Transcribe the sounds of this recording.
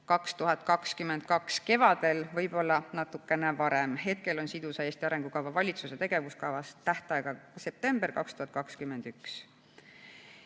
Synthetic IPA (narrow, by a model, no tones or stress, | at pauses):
kɑkst̪uɦɑt̪̚ˑkɑkskymːen̥̚kɑkske̞vɑd̪̥e̞lvɤjb̥o̞lːɑnɑt̪ːˑukːˑe̞nevɑɾemɦe̞t̪̚ke̞lo̞nsid̪usɑeːst̪iɑɾe̞ŋɡ̥ukɑvɑvɑlʲit̪suse̞t̪e̞ɡ̥e̞vuskɑvɑst̪æht̪ɑeɡ̥ɑse̞p̚t̪e̞mb̥erkɑkst̪uhɑt̪̚ːˑkɑkskymːe̞nd̪̥yks